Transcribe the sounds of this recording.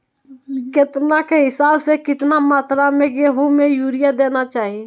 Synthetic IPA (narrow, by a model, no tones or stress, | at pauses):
kɪt̪nakeɦɪsaːbsekɪt̪namaːt̪ɾamẽkeɦumejuːɾijad̪eːnat͡ʃaːɦie